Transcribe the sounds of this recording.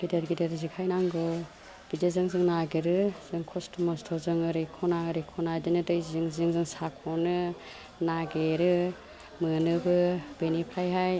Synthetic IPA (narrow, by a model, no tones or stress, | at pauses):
ɡideɾɡideɾɯzikʰajnaŋɡɔ | b̥idezɯŋzɯŋnaɡeɾɯz̥ɯŋkʰɔstʰɔmɔstʰɔzɯŋɯɾekʰɔnaɯɾekʰɔnadinɯdɯjzɯŋzɯŋzɯŋsakʰɔnɯ | naɡeɾɯ | mɯnɯbɯbenipʰɾajɦaj